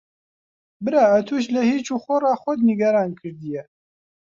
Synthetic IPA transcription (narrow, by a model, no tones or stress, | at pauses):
bɨɾaːɐt̪ʰuʃ̬lɛhiːt͡ʃuːxɔrɑːxɔd̪niɡɐɾɑːnkʰɨɾd̪ijɛ